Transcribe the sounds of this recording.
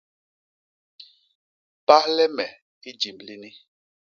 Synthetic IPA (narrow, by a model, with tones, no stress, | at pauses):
pa˦hlɛ˦mɛ˨ | i˦d͡ʒi˨mli˦ni˦